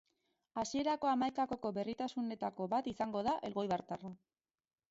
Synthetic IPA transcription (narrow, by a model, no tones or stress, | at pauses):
asie̞ɾako̞amajkakoko̞βe̞rit̪asune̞t̪ako̞βat̪isaŋɡo̞ðaʔe̞lɣo̞jβaɾt̪ara